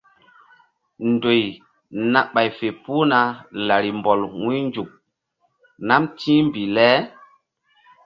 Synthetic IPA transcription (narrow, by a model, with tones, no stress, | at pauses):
ndo˨j | na˨ɓa˨jfe˨pu˦na˨la˨ɾi˨mbɔ˨lwũ˦nd͡ʒu˨k̚ | na˦mtĩ˦mbi˨lɛ˦